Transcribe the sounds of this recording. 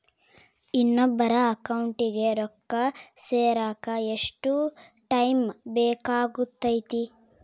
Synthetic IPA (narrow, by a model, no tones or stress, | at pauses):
inːobːɐɾɐɐkɐwɳʈiɡe̞ɾɔkːɐseːɾaːkɐeʂʈu | ʈɐjmbɛːkaːɡut̪ːɐjt̪i